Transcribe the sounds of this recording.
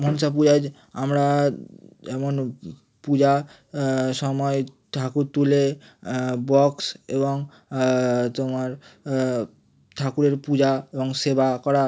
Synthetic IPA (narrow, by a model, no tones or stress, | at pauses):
monsap̬ud͡ʑad͡ʑ | a̰mɾa | ɛmon | pud͡ʑa | ʃɔmɔet̪ʰakuɾt̪ule | bɔksḛboŋ | t̪omaɾ | t̪ʰakuɾeɾpud͡ʑaeboŋsebakɔɾa